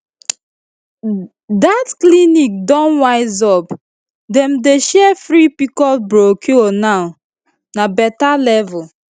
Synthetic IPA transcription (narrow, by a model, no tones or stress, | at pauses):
datklinik̚dɔ̃nwaɪzɔp | dɛ̃mdeʃɛfɾipikɔlbɾokʰionaʊ | nabɛtalɛvʊl